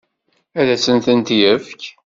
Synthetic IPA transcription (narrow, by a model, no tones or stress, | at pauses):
æðæsənt̪ənt̪jəfk